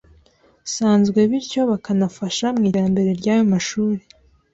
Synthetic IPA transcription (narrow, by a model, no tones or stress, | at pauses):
saːnzɡwe̞βiɾco̞βakanafaʃamŋiːɾambe̞ɾe̞ɾɟaːjo̞maʃuːɾe